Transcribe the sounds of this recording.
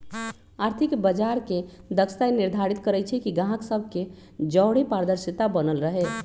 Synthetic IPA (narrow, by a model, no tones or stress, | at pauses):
aɾt̪ʰikbəd͡ʒaɾked̪əkst̪ajniɾd̪ʱaɾit̪kəɾɛt͡ʃʰɛkiɡãɦksəbʱke | d͡ʒəwɽ̤epaɾd̪əɾsit̪abənəlɾəɦe